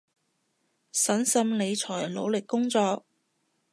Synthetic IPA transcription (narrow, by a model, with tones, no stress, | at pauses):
sɐ˨˥nsɐ˧mle˨˧jt͡ʃʰɔː˨˩jlo̰˨˧wlɪ˨kːʊ˥ŋt͡sɔː˧k̚